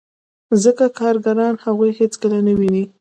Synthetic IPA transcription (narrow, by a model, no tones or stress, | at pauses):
zəkakɑɾɡaɾɑnhaɣujhet͡skəlanəwini